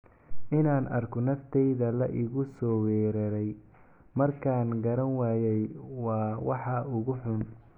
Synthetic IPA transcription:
ʔɪnaːnʔɐrkʰɔnɐft̪ʰɛjðɐlɐʔɪɣʊsɔːwɛːɾɐɾɛj | mɐrkʰaːnɡɐɾɐnwaːjɛjwɑːwɑħɑʔʊɣʊħʊn

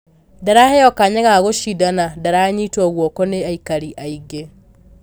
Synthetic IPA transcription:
daɾahɛjɔkaɲɛɣaɣoʃidanadaɾaɲitwɔɣwɔkɔneaikaɾiʔaiɡe

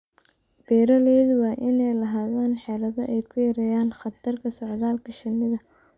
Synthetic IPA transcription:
b̥ɛːɾɐlɛːðwɑːʔɪnɛjlɐɦaːðaːnħɛːlɐðɐʔɛjkʰʊjɐɾɛːjaːnχɑt̪ʰɐrkʰɐsɔʕðaːlkʰɐʃɪnːɪðɐ

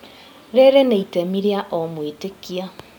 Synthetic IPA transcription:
ɾeɾeneitemiɾjaʔomwitekia

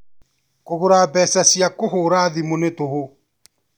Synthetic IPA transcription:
koβoɾaːbɛːsasjakoɦoːɾaðimonetoho

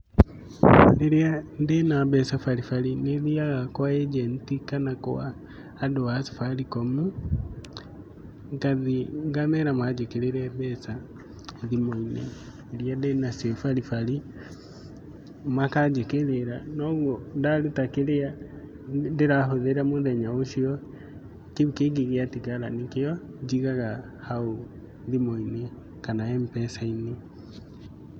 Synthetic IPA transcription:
eɾjandenaβɛsafaɾifalineðiaɣakoaed͡ʒentikanakowaː | doasi̥faɾikomu | ŋɡaðiŋɡamɛɾamwad͡ʒekeɾeɾɛβɛsa | ðimoinḛ | eɾijadenasefaɾifali | makad͡ʒekeɾeɾanɔɣwondaɾutakeɾea | deɾaɦoðeɾamoðɛɲaoʃiɔ | keβkeɡiɣeatiɣaɾanikeɔd͡ʒiɣaɣa | hao | ðimoine | kanaɛmpɛsaine

